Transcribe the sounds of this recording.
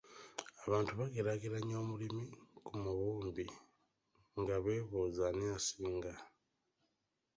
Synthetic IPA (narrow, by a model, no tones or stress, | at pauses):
aβaːntuβaɡeɾaɡiɾaɲo̞ːmulimikumuβuːmbi | ŋɡaβe̞ːβoːzaniasiːŋɡa